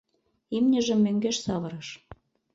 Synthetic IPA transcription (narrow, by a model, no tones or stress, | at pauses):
imnʲə̆ʒə̆mːøŋɡeʃsɑβəɾɤʃ